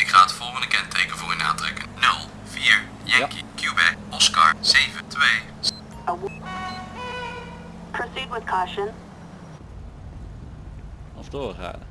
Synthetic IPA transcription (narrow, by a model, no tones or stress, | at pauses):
ɪkχaːtəfɔlˠχəndəkɛntejkənvʊːryna̰ːtrɛkənɵlˠ | v̥iːɹ | jɛkikjubɛ̰k̚ɔskɑ̰ɹz̥ejvətʋej | əw | pʰɹ̥osid̚wɪð̥kʰɔʃə̃n | ɔfdoːχa̰ːd